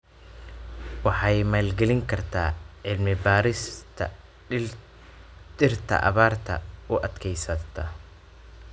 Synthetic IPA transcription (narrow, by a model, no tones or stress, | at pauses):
wɑħɑjmaːlɡɛlɪŋkʰɐrt̪ʰaːʕɪlmɪbaːɾɪsʰ | d̪ɪrt̪ʰɐ̰ʔɐ̰βaːrt̪ʰɐ̰ʊʔɐd̪kʰɛjsɐt̪ʰɐ